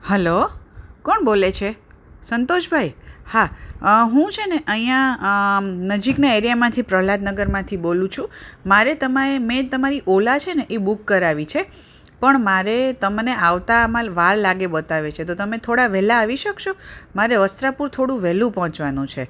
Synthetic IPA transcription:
hɛlokɔɳbolet͡ʃʰe | sənt̪oʃbʱajhaɦũt͡ʃʰeneʔəɦĩjã | nəd͡ʒiknaeɾijamãt̪ʰipɾəɦlad̪nəɡəɾmãt̪ʰibolũt͡ʃʰũmaɾet̪əmaemẽt̪əmaɾiʔolat͡ʃʰeneʔebukːəɾaʋit͡ʃʰe | pəɳmaɾet̪əmneʔaʋt̪aːmãʋaɾlaɡebət̪aʋet͡ʃʰet̪̬ot̪əmet̪ʰoɽaʋɛlaːʋiʃəkʃomaɾeʋəst̪ɾapuɾt̪ʰoɽũʋɛlũpɔɦɔ̃t͡ʃʋanũt͡ʃʰe

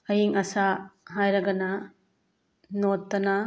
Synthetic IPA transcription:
ɐjiŋɐsaɦajɾɐɡɐnɐ | notːɐnɐ

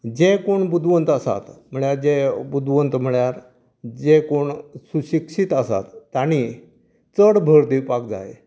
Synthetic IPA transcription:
d͡ʑekoɳbud̪ʋənt̪əsa̰t̪m̤əɭjaɾd͡ʑebud̪ʋənt̪m̤əɭjaɾ | d͡ʑekoɳsuɕikɕit̪əsa̰t̪ːaɽ̃i | t͡səɽbʱəɾd̪ipak̚d͡za̰j

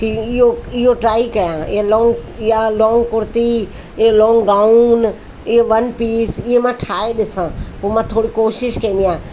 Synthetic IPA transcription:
kiɪɦoɪɦoʈɾaːikɐjãɪ̰ɦelɔ̃ːŋɡɪɦalɔ̃ːŋɡkʊɾt̪i | ɪɦelɔ̃ːŋɡɡaːun | ɪɦeʋɐnpiːsɪɦemãʈʰaːeɗɪsãpoːmãt̪ʰoːɽikoːʃɪʃkɐ̃nd̪ijãː

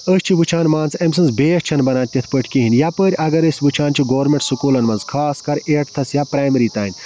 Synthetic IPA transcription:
əːsʲt͡ʃʰiʋɨt͡ʃʰaːnmaːnt͡semsɐnzbeːʃt͡ʃʰɐnbɐnaːnʲt̪ʲɐt̪ʰpəʈʰʲkiɦinʲjapəːɾʲɐɡɐɾəsʲʋɨt͡ʃʰaːnt͡ʃʰiɡoːɾmʲẽɳʈsukuːlɐnmɐnzkʰaːskɐɾeːʈt̪ʰɐsjapɾaːjmɐɾiːt̪aːnʲ

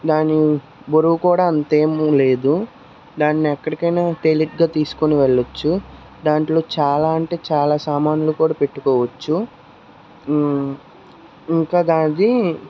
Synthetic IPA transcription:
d̪aːni | boɾuʋukuːɽaːɐnt̪e̞ːmule̞ːd̪u | d̪aːnːiɛkːɐɽikɐjnaːt̪eliʈɡaːt̪iːsu̥koniʋeɭːɐt͡ʃːu | d̪aːɳʈlo̞ːt͡ʃaːlaːɐɳʈe̞ːt͡ʃaːlaːsaːmaːnulukuːɽaːpe̞ʈːukɔːʋɐt͡ʃːu | iŋkaːd̪aːd̪i

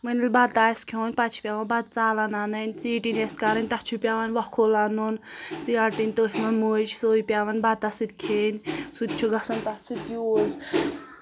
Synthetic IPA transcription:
mənʲilʲbɐt̪aːskʲʰoːnʲpat͡ʃʰi̥pʲaːʋɐnbɐd̪̚t͡saːlɐnanɐnʲt͡siːʈineskaɾɐnʲt̪ɐt͡ʃʰupʲaːʋanʲʋɐkʰolanunt͡siɐʈinʲt̪əːsʲmɐnmud͡ʒʰsoːipʲaʋɐnʲbɐt̪ɐsɨt̪kʰeːnʲsut̪ʲt͡ʃʰuɡɐsɐnt̪ɐsɨt̪juːz

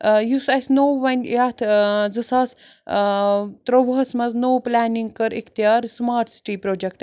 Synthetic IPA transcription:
jusɐsʲnowʋɐnʲjat̪ʰd͡zɨsaːs | t̪ɾoʋɐɦɐsmɐznowplʲaːniŋɡ̚kɐɾikʰt̪ijaːɾsmaːɾʈsi̥ʈipɾoːd͡ʒek̚ʈ

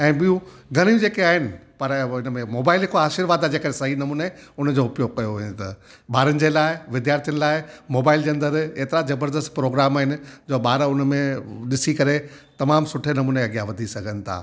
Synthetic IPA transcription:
ɛ̃ːɓijũɡʱɐɽ̃ijũd͡ʑeːkeaːɦɪnɪ̆pɐɾɪnəmẽmoːbaːɪlɦɪkoaːʃiɾʋaːd̪ad͡ʑeːkɐɾesɐɦinɐmuːneʊnəd͡ʑoʊpjokɐjoɦʊɲt̪ɐɓaːɾənɪ̆d͡ʑeːlaːɪʋɪd̪jaːɾt̪ʰijənɪ̆laːɪmoːbaːɪld͡ʑeːɐnd̪əɾeːt̪ɪɾazɐbəɾd̪əst̪pɾoːɡɾaːmaːɦɪnɪ̆d͡ʑoːɓaːɾʊnəmẽɗɪsikɐɾe | t̪ɐmaːmsʊʈʰenɐmuːneɐɡijaʋɐd̪ʱisɐɡʱənɪ̆t̪ʰa̰ː

